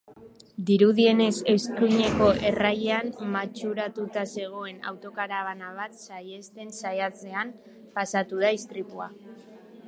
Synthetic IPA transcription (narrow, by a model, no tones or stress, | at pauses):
d̪iɾuðie̞ne̞se̞skuɲe̞ko̞ʔe̞rajeammat͡ʃuɾat̪ut̪ase̞ɣ̞o̞e̞na̰wt̪o̞kaɾaβanaβ̞at̪saje̞st̪e̞nsajat͡se̞am | pasat̪uð̞aist̪ɾipua